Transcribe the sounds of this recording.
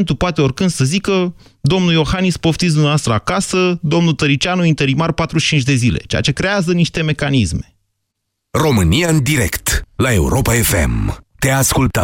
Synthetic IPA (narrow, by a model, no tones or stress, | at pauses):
nt̪upoat̪e̞o̞rkɨnd̪səzikə | d̪o̞mnujo̞xanispoft̪is̬d̪umavast̪ɾəakasəd̪o̞mnut̪əɾit͡ʃanuint̪e̞ɾimarpat̪ɾuʃt͡ʃint͡ʃʲd̪e̞zile̞̰t͡ʃḛa̰t͡ʃe̞kɾe̞azəniʃt̪e̞me̞kanisme̞̥ | ro̞mɨnijaɨnd̪iɾḛkt̪lae̞̰ṵɾo̞paefḛmt̪easkult̪a̰